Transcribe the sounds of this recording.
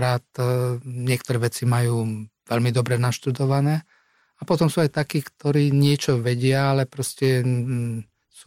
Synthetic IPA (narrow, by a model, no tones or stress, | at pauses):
ɾaːt̪ɲɪɛkt̪ɔɾɛːʋɛt͡simajuːʋɛʎmid̪ɔbɾɛnaʃt̪ud̪ɔʋanɛː | apɔt̪ɔmsuːajt̪akiːkt̪ɔɾiːɲɪɛt͡ʃɔʋɛɟɪaalɛpɾɔscɛ | su